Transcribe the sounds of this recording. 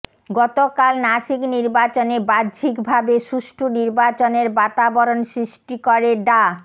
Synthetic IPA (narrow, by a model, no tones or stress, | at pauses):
ɡɔt̪okalnaʃikniɾbat͡ɕonebadd͡ʑʱikbʱabeʃuʃʈʰuniɾbat͡ɕoneɾbat̪abɔɾonsɾiʃʈikoɾeɖa